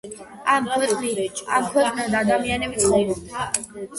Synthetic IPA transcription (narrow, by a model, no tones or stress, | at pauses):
amkʰɛtʼnamkʰwɛkʰʼnad̪aːd̪amianɛb̪ʰɔɾɔd̪